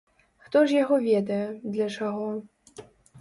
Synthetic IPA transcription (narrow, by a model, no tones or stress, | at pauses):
xt̪ɔʐjaɣɔvʲɛd̪ɐjɛd̪lʲɐt͡ʂaɣɔ